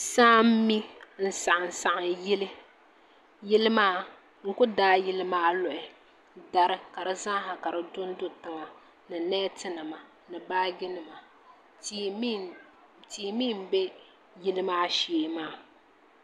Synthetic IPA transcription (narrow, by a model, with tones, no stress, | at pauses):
saː˦m̩˦mi˦n̩˨sa˨ʔɨ˨n̩˨sa˨ʔa˨jɪ˦lɨ˦ | jɪ˦lɨ˦maː˦ | ŋ̩˦kʊ˦daː˦jɪ˦lɨ˦maː˦lʊ˨ʔɪ˨ | da˨ɾɨ˦ka˨ɾɨ˦za˦ɦa˨ka˨ɾɨ˨dʊ˦n˦dʊ˦tɨ˦ŋa˨ | nɨ˨nɛː˦tɨ˦nɨ˨ma˨ | nɨ˨baː˦ɡɪ˦nɨ˨ma˨˦ | tiː˨mi˦˨m̩˨be˦ | jɪ˦lɨ˦maː˦ʃeː˨maː˦